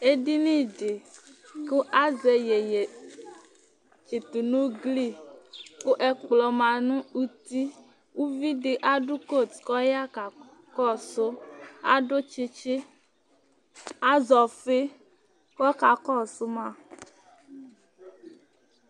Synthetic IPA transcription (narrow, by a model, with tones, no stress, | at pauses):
e˦ɖi˦nĩ˦ɖe˨ko˦ʔa˦ze˨je˨je˨ | t͡ʃe˨t̪u˨nũ˦ɡli˦˨ko˦ʔɛ˦k͡plɔ˨mã˨nũ˦u˦t̪i˦ | wu˦vi˦ɖe˨ʔa˦ɖu˦ko˦˨tkɔ˦ja˦ka˨ | kɔ˦so˦a̰˦ɖo˦t͡ʃe˦t͡ʃe˦ | a˦zɔ˨fe˦ | kɔ˦ka˨kɔ˦so˦mã˦˨